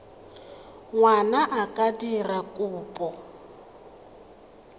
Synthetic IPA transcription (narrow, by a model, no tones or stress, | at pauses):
ŋwanaʔakʼadirakʼuːpʼɔ